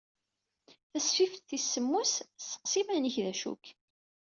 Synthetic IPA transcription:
θæsfift̪θisːəmːussə̥qsimæniçðæʃṵk

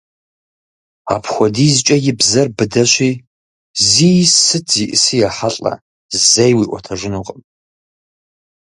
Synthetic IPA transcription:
a̰pʰxʷɔdiːzt͡ʃʷʼɐjɪbzɐrbɨdɐɕʷiː | zijsɨtʰziʔɨsijaħaɬʼɐ̰ | zzejwiʔʷɔtʰɐʐɨnuqʼəm

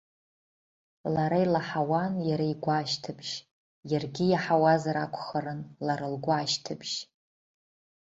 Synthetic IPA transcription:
laɾajlaħawanjaɾaiɡʷaːʃtʰɨbʒ | jarɡʲijaħawazaɾakʷʰʼχəɾɨnlaɾalɡʷaːʃtʰɨbʒ̥

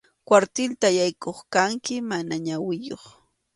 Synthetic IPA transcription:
kwaɾt̪ɪlt̪ajajkoχkaŋkɪmanaɲawɪjoχ

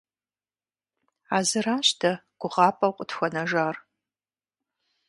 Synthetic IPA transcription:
aːzɨraːɕtʰɐɡ̥ʷʊʁɑːpʼɐwqʷʼətxʷɐnɐʒaːr

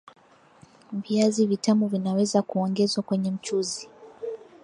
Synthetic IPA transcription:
viazivitamuvinawɛzakuɔŋɡɛzwakwɛɲɛm̩t͡ʃuzi

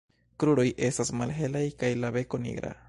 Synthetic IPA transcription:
kɾuɾo̞jʔe̞stasmalɦelajkajlaβe̞ko̞nḭɡɾa̰

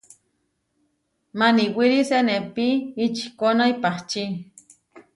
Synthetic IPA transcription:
maniwilisenepiit͡ʃkonaipaht͡ʃi

